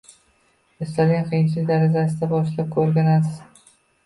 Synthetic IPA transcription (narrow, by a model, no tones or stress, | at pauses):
ɪst̪alɡʲanqʰɨjɪnt͡ʃʰlɪk̚ʲd̪aɾad͡ʒas̬ɪd̪abɒʃlap̚kʰɵɾɡʲanasɪz